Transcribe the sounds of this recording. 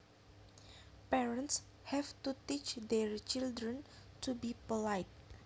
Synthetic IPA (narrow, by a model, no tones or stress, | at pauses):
pɛɹənts | hɛvt̪utit͡ʃdɛɹt͡ʃildɾə̃ntubipolajt̚